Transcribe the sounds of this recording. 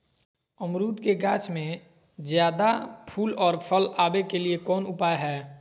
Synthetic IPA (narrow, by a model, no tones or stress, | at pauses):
əmɾuːt̪keɡaːt͡ʃmẽ | d͡ʒjaːd̪apʰuːlɔːɾpʰəlaːbekeliekɔːnʊpaːjɦɛː